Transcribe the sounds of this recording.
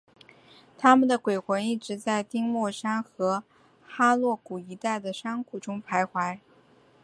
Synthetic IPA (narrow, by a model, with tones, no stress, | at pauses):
t̪ʰa˥mə˨nd̪ə˩kwe˨˩ɪxwə˧˥ni˥˩ʈ͡ʂɻ̩˧˥t͡sa˥˩ɪt̪i˥ŋmwɔ˥˩ʂa˥nxɤ˧˥ | xa˥lwɔ˥˩ku˨˩i˧˥t̪a˥˩ɪd̪ə˩ʂɑ˥ŋkʰu˨˩ʈ͡ʂʊ˥ŋpʰa˧˥ɪxwa˧˥ɪ